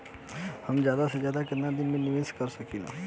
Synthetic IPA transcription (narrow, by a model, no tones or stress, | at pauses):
hɐmd͡ʒjaːd̪ased͡ʒjaːd̪akɐnːãd̪inminɪʋeːskəɾsɐkina̰